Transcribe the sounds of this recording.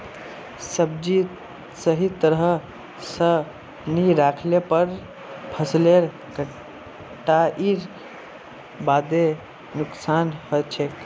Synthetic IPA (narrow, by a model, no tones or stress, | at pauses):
səbd͡ʒi | səɦit̪əɾɦə | sə | niɾakʰlepəɾ | pʰəsleɾ | kə | ʈaʔiɾ | bad̪e | nuksanhot͡ʃʰek